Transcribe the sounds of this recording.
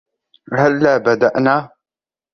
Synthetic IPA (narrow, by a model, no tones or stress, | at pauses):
ɦalːaːbad̪aʔnaː